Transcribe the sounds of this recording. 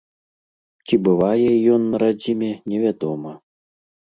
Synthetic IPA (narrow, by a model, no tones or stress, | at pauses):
t͡sʲibɨvajɛjɔnːɐɾad͡zʲimʲɛnʲɛvʲad̪ɔmɐ